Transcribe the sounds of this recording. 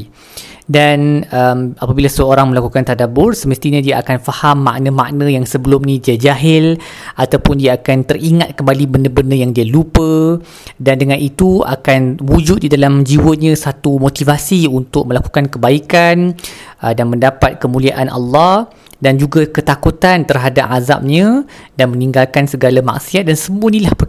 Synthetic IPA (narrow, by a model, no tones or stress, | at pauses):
danəmapabilasəoɾaŋmə̃lakukant̪adabʊrsəməst̪iɲãdiaʔakanfahamːã̰ʔnãmã̰ʔnãjaŋsəbəlʊmnĩdiad͡ʒaɦɪlʔat̪awpʊndiaːkant̪əriŋat̪̚kəmbalibəndəbəndəjaŋdialupə | dandəŋãnʔit̪ua̰kanwud͡ʒʊt̪̚didalamd͡ʒiwəɲãsat̪umot̪ivasiunt̪ʊk̚mə̃laku̥kankəbaikan | danmə̃ndapat̪̚kəmuliaʔanʔɑ̰lːɑh | dand͡ʒuɡakət̪akut̪ant̪ərɦada̰p̚ʕaza̰p̚ɲãdanmə̃nĩŋɡalkansəɡalama̰ksiat̪̚dansəmuənĩlahpə